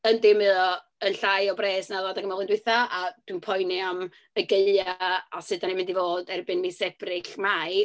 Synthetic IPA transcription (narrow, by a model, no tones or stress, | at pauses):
əndɪmɨðɔ | ənɬajɔbreːsnalˠɔdaɡəmɔlˠɪndwɪθaʔad̥wɨnpʰɔjniam | əɡeɨaasɨdanimɪndivoːdɛrbɨnmisɛb̥rɪɬmaj